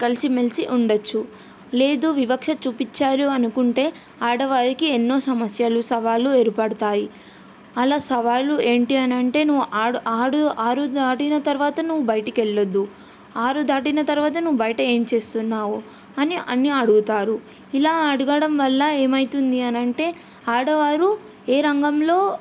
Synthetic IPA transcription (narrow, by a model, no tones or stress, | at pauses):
kɐlisimelsiʔuɳɖɐt͡ʃːu | le̞ːd̪uːʋibɐkʂɐt͡ʃuːpit͡ʃːaːluɐnukuɳʈe̞ː | aːɽɐʋaːɾikienːo̞ːsɐmɐsjalusɐʋaːlueːɾipɐɽɐt̪aːji | ɐlaːsɐʋaːlue̞ːɳʈiɐnɐɳʈe̞ːnuʋːuʔaːuʔaːɽuaːɾud̪aːʈinɐt̪ɐɾuʋaːt̪ɐnuʋːubɐjɐʈikeɭːɐd̪ːu | aːɾud̪aːʈinɐt̪ɐɾuʋaːt̪ɐnuʋːubɐjɐʈɐe̞ːmt͡ʃe̞ːst̪unːaːwu | ɐniʔɐniɐɽuɡut̪aːɾu | ilaːɐɽuɡɐɽɐmʋɐlːɐe̞ːmɐjt̪und̪iɐnɐɳʈe̞ː | aːɽɐʋaːɾu | eːɾɐŋɡɐmlo̞ː